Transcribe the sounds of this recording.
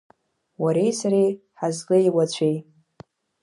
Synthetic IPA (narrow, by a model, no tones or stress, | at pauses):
waɾejsaɾej | ħazkʼɨjwat͡ɕʷʰej